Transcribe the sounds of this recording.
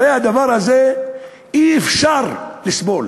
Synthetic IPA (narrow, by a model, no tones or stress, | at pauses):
ehad̪avaʁaze | iefʃaʁlisbo̞l